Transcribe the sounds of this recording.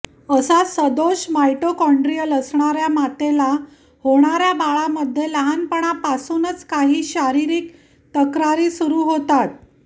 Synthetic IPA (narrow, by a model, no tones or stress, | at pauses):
əsasəd̪oɕmajʈokɔɳɖɾijələsɳaɾjamat̪ela | hoɽ̃aɾjabaɭaməd̪ʱːjeləɦanpəɳ̃apasuːnət͡skaɦiːɕaɾiɾiːk | t̪əkɾaɾiːsuɾuːɦot̪at̪̚